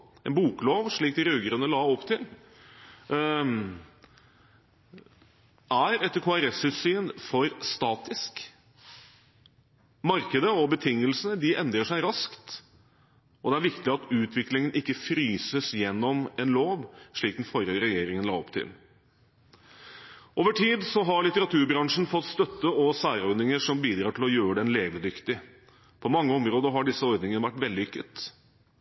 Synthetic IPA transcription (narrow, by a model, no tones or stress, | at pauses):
ɛnbuːkloːʋʂɭiːk̚d̪ɾʉɡəɾənəlɑːɔpt̪ʰɪl | ʔæɾɛt̪ːəɾkʰoːæɾɛsʉt̪syːnfɔɾst̪ɑːt̪ɪsk | mɑɾkəd̪əɔbət̪ʰɪŋːəlsənəd̪ɪʔɛnd̪ɾəʂæɪɾɑskt̪ | ʔɔd̪ɛæɾʋɪkt̪ɪɑt̪ʉːt̪ʰʋɪklɪŋənɪkːəfɾyːsəsjɛnːɔmɛnloːʋʂɭiːk̪̩̚fɔɾəɾɛjeːɾɪŋənlɑ̰ːɔpt̪ʰɪ̰l | ʔoːʋəʈʰiːd̪sɔɦɑɾɭɪt̪əɾɑt̪ʰʉːɾbɾɑŋʂn̩fɔt̪ːst̪œt̪ːəɔsæːɾɔɾd̪nɪŋəʂɔmbiːd̪ɾɑːʈʰɪlɔjøːɾəɖ̪ɛnleːʋəd̪ʏkt̪ɪ | pʰɔmɑŋːəɔmɾoːd̪əɦɑɖɪsːəɔɾd̪nɪŋənəʋæʈːʋɛld̪ɪʏkːət̪